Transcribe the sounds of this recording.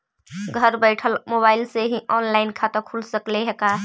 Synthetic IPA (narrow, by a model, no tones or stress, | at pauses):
ɡʱəɾbəɪʈʰəlmoːbaːɪlseɦiʔɔːnlaːɪnkʰat̪əkʰulsəkleɦɛkaː